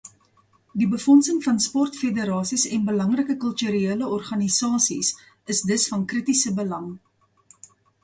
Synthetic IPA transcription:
dibəfɔnsəŋfɐnspɔrtfedəɾɑːsisɛnbəlɐŋrəkəkəlˠtyɾieːləɔrχɐnisɑːsis | əsdəsfɐnkritisəbəlɐŋ

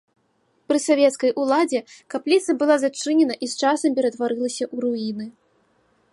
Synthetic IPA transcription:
pɾɨsavʲɛt̪skɐjʔulˠad͡zʲɛkaplʲit̪sɐbɨlˠazat͡ʂɨnʲɛnɐʔist͡ʂasɐmp̬ʲɛɾɐd̪vaɾɨlˠɐsʲɐʔuɾuinɨ

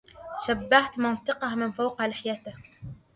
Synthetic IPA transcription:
ʃabːaht̪mɑnt̪ˤɨqɑhmɪnfawqɑlɪħjat̪ɪh

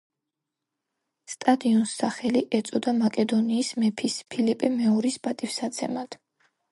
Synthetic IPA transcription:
st̪ʼad̪iɔnsːaχɛliʔɛt̪sʼɔd̪amakʼɛd̪ɔniːsmɛpʰispʰilɛpʼɛmɛɔɾisbat̪ʼifsat̪sʰɛ̰mad̪̥

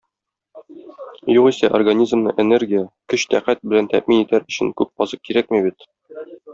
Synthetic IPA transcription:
juʁisæʔorɡanʲizmnɤ̰ʔenerɡʲijəkɵɕt̪æqæt̪̚bɘ̆lænt̪æ̰ʔminit̪æɾɵ̆ɕɘŋkʉp̚ɒzɤq̚kiɾæk̚mibit̪

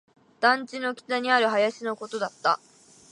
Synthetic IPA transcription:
d̪̥ãɲ̟t͡ɕino̞kʲi̥t̪aɲ̟iaɾɯ̟ɦajaɕino̞ko̞t̪o̞d̪at̪ːa̰

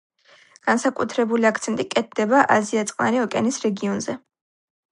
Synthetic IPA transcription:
ɡ̥ansakʼut̪ʰɾɛbuliakʰt̪sʰɛnt̪ʼikʼɛt̪̚ʰd̪ɛbaʔaziat̪sʼqʼa̰ɾiɔkʼɛ̰nisɾɛɡiɔnzɛ

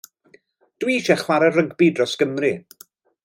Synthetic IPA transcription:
d̥wiːʃɛχwaɾɛrəɡbidrɔsɡ̥əmrɨ

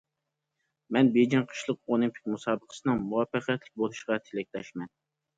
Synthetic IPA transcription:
mɛnbed͡ʒinqʰə̥ʃlˠəqolˠɨmpʰɪ̥k̚ʲmusɑːbəqʰə̥sɨnɨŋmuɑfæqɛt̪lɪk̚ʲbolˠuʃəʁɑt̪ʰelɪk̚ʲlɛʃmɛn

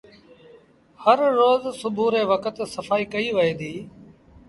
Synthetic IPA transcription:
həɾːoːzsʊbʱuːɾeːʋəkət̪səfaːiːkəiːʋəẽːd̪iː

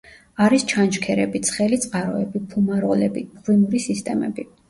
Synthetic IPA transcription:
aɾist͡ʃʰant͡ʃkʰɛɾɛbit̪sʰχɛlit̪sʼqʼaɾɔɛbipʰumaɾɔlɛbiʁwimuɾisist̪ʼɛmɛ̰bi

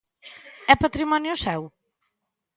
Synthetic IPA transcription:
ɛpat̪ɾimɔnjusɛw

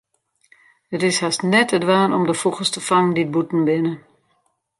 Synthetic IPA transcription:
ətɪshastnɛtədʋaːnɔmdəfuxəstəfaŋəndid̚butn̩bɪnə

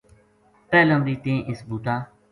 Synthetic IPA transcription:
pɛːlə̃mɾiːt̪ẽːʔɪsbuːʈ̪aː

